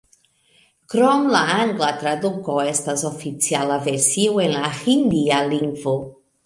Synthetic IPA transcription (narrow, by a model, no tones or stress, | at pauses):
kɾɔmlaaŋɡlat̪ɾad̪ukoest̪azofit͡sjalaveɾsiwenlaxind̪ialiŋɡvo